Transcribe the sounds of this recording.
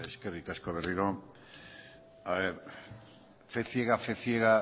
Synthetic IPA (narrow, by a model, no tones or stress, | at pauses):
eskerikaskoβ̞eriɾo | aβeɾ | feθjeɣafeθjeɣa